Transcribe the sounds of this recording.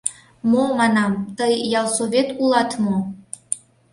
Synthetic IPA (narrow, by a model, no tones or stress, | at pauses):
momɑnɑmt̪ɤjjɑlˠsoβʲet̪ulˠɑt̪mo